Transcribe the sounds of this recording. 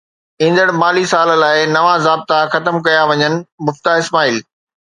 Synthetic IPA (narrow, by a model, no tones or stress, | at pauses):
ĩːn̆d̪əɽ̃maːlisaːlə̆laːɪnɐʋazaːb̚t̪axɐt̪əmkɐjaʋɐɲənɪ̆mʊft̪aɪsmaːiːl